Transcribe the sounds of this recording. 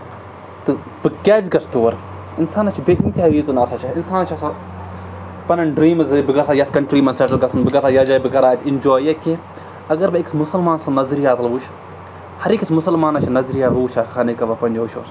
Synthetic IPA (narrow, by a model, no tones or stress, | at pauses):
t̪ɨ | bɨkʲːaːzɡɐst̪uːʋɐɾ | insaːnɐt͡ʃʰibeʔinʲt̪ʲaːʋiːt̪unɐsɐt͡ʃʰɐinsaːnɐt͡ʃʰɐsa | pɐnɐnɖɾiːmɐzɨbɨɡɐsaːjɐt̪ʰkɐɳʈɾiːmɐnseʈɐlɡɐsɐnbɨɡɐsajad͡ʒɐːbɨkɐɾaːt̪ʰʲɪnd͡ʒoːjɐki | ɐɡɐɾbɐiksmʊsɐlmaːnsɐnɐzɾijaːt̪ɐlʋuːt͡ʃʰ | hɐɾikismʊsɐlmaːnɐt͡ʃʰinɐzɾijaːɦuːt͡ʃʰaxaːnekɐbɐpɐnʲd͡ʒoːt͡ʃʰo̰ːs